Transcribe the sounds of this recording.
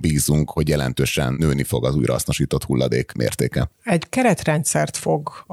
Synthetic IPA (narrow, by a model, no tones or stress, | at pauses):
biːzuŋkho̞ɟjɛlɛnt̪øːʃɛnːøːnifo̞ɡɒzuːjɾɒ̰ɒ̰sno̞ʃiːt̪o̞t̪hulːɒd̪eːkmʔḛːrt̪eːkɛɛɟkɛɾɛt̪rɛnt̪sɛrt̪fo̞ɡ